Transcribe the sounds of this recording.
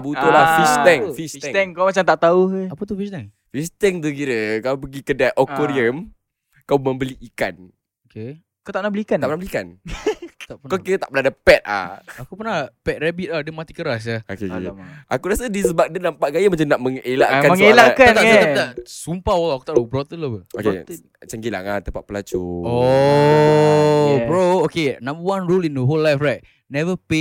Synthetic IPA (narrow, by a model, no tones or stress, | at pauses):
but̪ulafistɛŋfisŋt̪ɛŋkawmat͡ʃamt̪aʔt̪auhapət̪ufist̪ɛŋ | fist̪ɛŋt̪̬uk̬iɾəkaup̬əɡikədaʔokoɾiəm | kawməmbəliːka̰n | oke | kat̪aʔnabəliikant̪apənabəliikan | t̪akawkiɾət̪aʔpənadəpɛt̪̚a̰akupərnapɛt̪̚ɾɛbit̪̚adəmat̪ikəɾas̬aokeʔakuɾasədisəbak̚dənampaʔɡajəmat͡ʃamnaʔməŋelaʔkaməŋelakaat̪aat̪at̪asumpawəlaaku̥t̪aʔabɾɔt̪əlopəo̰k | t͡ʃəŋɡila̰ŋat̪əpa̰ʔ̚pəlat͡ʃuo | bɾookenãmbəwanɹulindəɦolːajfrajt̪̚ | nɛvəpe